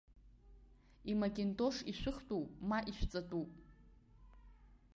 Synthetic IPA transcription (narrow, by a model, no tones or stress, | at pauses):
imakʲʼentʼoʂiʃʷᶣɨχtʼupʼmaʔiʃʷᶣt͡sʼatʼupʼ